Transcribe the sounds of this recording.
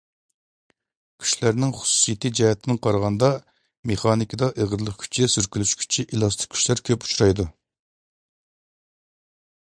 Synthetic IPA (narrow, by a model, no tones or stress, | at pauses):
kʲʰy̥ʃlæɾnɪŋχu̥su̥sijet̪ʰɨd͡ʒɛhɛt̪ʰɪnɪŋqʰɑɾʁɑnd̪ɑ | meχɑnikʲʰid̪ɑʔeʁəɾlˠəχkʲʰy̥t͡ʃʰisyɾkʲylyʃkʲʰy̥t͡ʃʰiʔilˠɑst̪ʰɪ̥k̚ʲkʲʰy̥ʃlæɾkʲʰøpu̥t͡ʃʰuɾɑjd̪u